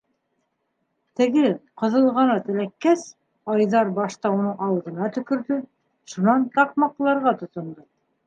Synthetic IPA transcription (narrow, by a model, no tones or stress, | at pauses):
t̪ɘ̆ɡɘqɤ̆ðɤ̆lˠʁɑnɑt̪ɘ̆lækːæs | ɑjðɑɾbɑʃt̪ɑunɤɴɑw̆ðɤ̆nɑt̪ɵ̆kɵ̆ɾðɵ | ʃunɑnt̪ɑq̚mɑqlˠɑɾʁɑt̪ŏt̪ŏnd̪ɤ